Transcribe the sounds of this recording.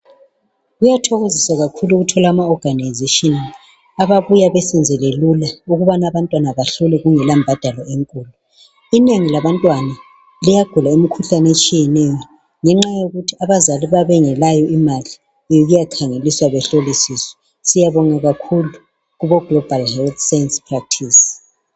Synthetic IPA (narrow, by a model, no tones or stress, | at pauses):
ɣujatʰɔɣozisaɣakʰuluɣutʰɔlaːmaɔɡ̥ʱanajzeʃini | aβaβujaβesind͡zʱɛlelulauɣuβanaβantʼwanaβaɬulɛɣuŋɛlambʱad̥ʱalɔeŋkʼuːlu | ineŋilaβantʼwana | lijaɡ̥ʱulaemikʰuɬanet͡ʃʼijɛnɛjɔ | ŋɛŋ͡ǁajoɣutʰiaβazaliβaβɛŋɛlajɔimali | joɣujakʰaŋeliswaβɛɬolisisɔ̥ | sijaβɔŋaɣakʰulu | ɣuβɔɡ̥lɔb̥ʱalhɛlt̪ʰsajɛnspʰrak̚tʰis